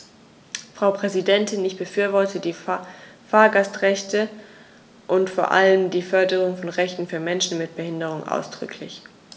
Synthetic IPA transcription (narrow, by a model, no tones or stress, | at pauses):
fʁ̥aʊpʁ̥ɛzidɛntɪnɪçb̥əfyːɐvɔɐtʰədiːfaːɐɡastʁɛçtə | ʔʊntfoːɐʔa̰ləmdiːfœɐdəʁ̞ʊŋfɔnʁɛçtn̩fyːɐmɛnʃn̩mɪt̚b̥əhɪndəʁ̞ʊŋʔa̰ʊsd̥ʁʏ̰kʰlɪ̰ç